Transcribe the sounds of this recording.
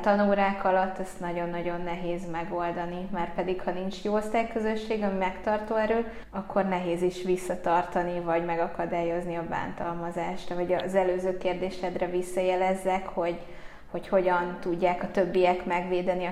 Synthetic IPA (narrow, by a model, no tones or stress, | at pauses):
t̪ɒnoːɾaːkɒlɒt̪ːɛst̪nɒɟo̞nːɒɟo̞nːɛɦeːzmɛɡo̞ld̪ɒnimaːrpɛd̪ikhɒnint͡ʃjoːost̪aːjkøzø̞ʃːeːɡɒmimɛkt̪ɒrt̪oːɛɾøː | ɒkʰːo̞rnɛɦeːziʃʋisːɒt̪ɒrt̪ɒnivɒɟmɛɡɒkɒd̪aːjo̞zniɒba̰ːnt̪ɒlmɒzaːʃrɒɦɔɟɒzɛløːzøːkeːrd̪eːʃɛd̪rɛvisːɒjɛlɛzːɛkho̞ɟ | ho̞cho̞ɟɒnt̪uɟːaːkɒt̪øbːijɛkmɛɡʋeːd̪ɛni